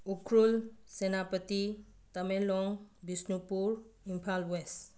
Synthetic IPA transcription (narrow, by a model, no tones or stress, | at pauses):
ukʰɾulsenapət̪i | t̪amelɔŋbisnupuɾimpʰalwes